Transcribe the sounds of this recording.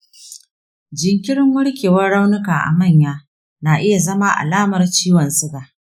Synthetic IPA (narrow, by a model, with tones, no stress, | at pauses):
d͡ʒɪ˨ŋkʲɪ˦ɽɪ˦ŋwʊ˦ɽkʲeː˨wɐ˦rɽa˦wnɪ˦kaː˨ʔa̰˨mɐ˦˨ɲjaː˦ | naː˨ʔɪ˦ja˨zɐ˦maː˦ʔa̰˨laː˦mɐ˨rt͡ʃiː˦wɐ˨nsɪ˦ɡaː˨ʔ